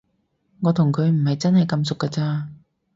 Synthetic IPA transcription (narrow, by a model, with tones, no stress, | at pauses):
ŋɔː˨˧t̪ʰʊ˨˩ŋkʰɵ˨˧ɥm̩˨˩hɐ˨jt͡sɐ˥nhɐ˨jkɐ˧ms̬ʊ˨kːɐː˧t͡saː˧